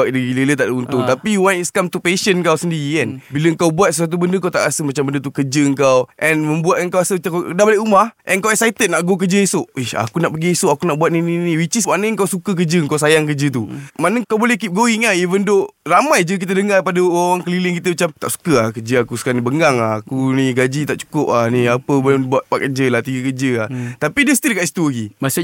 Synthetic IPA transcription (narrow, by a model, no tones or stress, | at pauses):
aʔ̚dəɡilələt̪aʔdəunt̪ʊŋt̪apiwanitskamt̪upeʃənkawsəndiɾikanbiləŋkawbuat̪səswat̪̬ubəndəkawt̪a̰ʔasəmat͡ʃambəndət̪ukəd͡ʒəəŋkawʔɛnmə̃mbuat̪̚əŋkawasət̪akədabaliʔumahʔɛ̰nŋkawɛksajt̪ət̪̚naʔɡok̬əd͡ʒəesoʔiha̰kunaʔpəɡiesoʔakunaʔbuat̪̚nininiwit͡ʃismanəəŋkawsukək̬əd͡ʒəəŋkawsajaŋk̬əd͡ʒət̪umanəkawbolɛhkip̚ɡoiŋaivəndoramajd͡ʒək̬it̪̬ədəŋarpadəwaŋkəlilɪŋkit̪əmət͡ʃamt̪a̰ʔsu̥kəahkəd͡ʒəakusə̥kanibəŋɡaŋahakuniɡad͡ʒit̪aʔt͡ʃu̥kʊp̚ahnĩapəbolbuat̪̚paʔ̚kəd͡ʒəlaht̪iɡəkəd͡ʒəaht̪apidəsət̪idəkat̪ist̪uaɡias